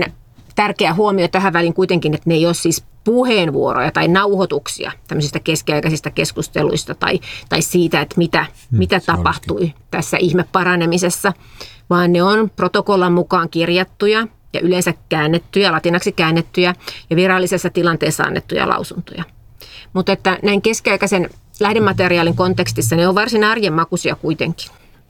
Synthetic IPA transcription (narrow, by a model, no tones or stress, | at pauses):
n | t̪ærkeæhuomiot̪æhæʋʋæliŋkuit̪eŋkinet̪neijoːssiːs | puheːnʋṵoro̰jɑt̪ɑinɑuhot̪uksḭɑ̰t̪æmːøsist̪ɑkeskiɑikɑsist̪ɑkeskust̪ḛlṵist̪ɑt̪ɑ̰it̪ɑissiːt̪æet̪mit̪æmit̪æt̪ɑpɑht̪uit̪æsːæʔihmeppɑɾɑnemisesːɑ | ʋɑːnneonprot̪okolːɑmmukɑːŋkirjɑt̪ːujɑ | jɑ̰ʔylensækkæːnːet̪ːyjælɑt̪inɑksikæːnːet̪ːyjæjɑʋirɑlːisesːɑt̪ilɑnt̪eːsːɑ̰ɑ̰nːḛt̪ːujɑ̰lʔɑ̰usunt̪o̰jɑ | mut̪et̪ːænæiŋkeskiɑikɑsen | læhdemɑt̪eriɑːliŋkont̪ekst̪isːɑneoʋʋɑrsinɑrjemmɑkusiɑkuit̪eŋki̥n